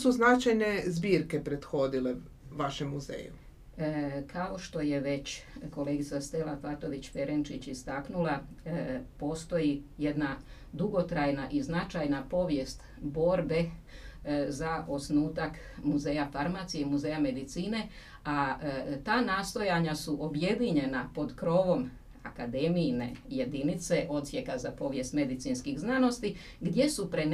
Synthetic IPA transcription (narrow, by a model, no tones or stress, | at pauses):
suznat͡ʃajne̞zbiːɾkepɾed̪xo̞d̪ile | ʋaʃemːuzḛːjṵ | kʰao̞ʃt̪o̞je̞ʋe̞t͡ɕko̞le̞ɡit̪sast̪elafat̪o̞ʋit͡ɕfe̞ɾent͡ʃit͡ɕist̪aknula | po̞st̪o̞jije̞d̪na | d̪uɡo̞t̪ɾajnaʔiznat͡ʃajnapo̞ʋje̞st̪ | bo̞ɾbe̞ | zao̞snuːt̪ak | muze̞ːjafaɾmaːt̪sijemuze̞ːjame̞d̪it̪siːne̞ | at̪aːnaːst̪o̞jaɲasuʔo̞bje̞d̪iɲe̞napo̞d̪kɾo̞ːʋo̞m | a̰kad̪e̞mijne̞̰je̞d̪init̪se̞ʔo̞dt̪sje̞kazapo̞ʋje̞st̪me̞d̪it̪sinskiɣznano̞st̪i | ɡd̪je̞supɾen